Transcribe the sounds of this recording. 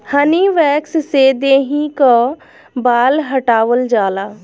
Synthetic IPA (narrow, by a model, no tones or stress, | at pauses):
həniʋɛːkssed̪eːɦĩka | baːlɦəʈaːwəld͡ʒaːlaː